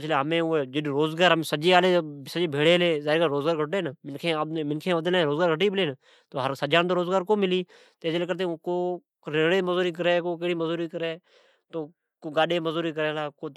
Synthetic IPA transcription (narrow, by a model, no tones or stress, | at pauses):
t͡ʃleːɦəmẽːed͡ʒɪɗɾoːzɡaːɾɦəmesəd͡ʒeːaːleːsəd͡ʒeːbʱeːɽeːleːzaːɾiːɡaɾoːzɡaːɾɡʱəʈ̬eːnəmɪnkʰẽːəmɪnkʰẽːʋəd̪lẽɾoːzɡaːɾɡʱəʈiːbɪleːn | t̪oːɦəɾsəd͡ʒaːnt̪oːɾoːzɡaːɾkoːmɪliː | t̪eːt͡ʃleːk̬əɾt̪̬ẽkoː | ɾeːɽeːməzoːɾiːk̬əɾeːkoːkeɽiːməzuːɾiːkəɾeː | t̪oː | koːɡaːɗeːməzuːɾiːk̬əɾeːlaːkoː